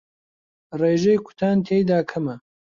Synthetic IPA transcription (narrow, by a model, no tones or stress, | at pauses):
reːʒejkʷʰʊ̥t̪ʰaːnt̪ʰeːjd̪aːkʰɐmɐ